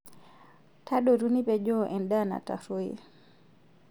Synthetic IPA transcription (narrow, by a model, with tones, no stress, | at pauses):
tʰa˦ɗɔ˨ɾu˦ni˦pɛ˨ʄɔ˦ʔɛ˨nda˦na̰˨ta̰˨ɾo˦ḭ˨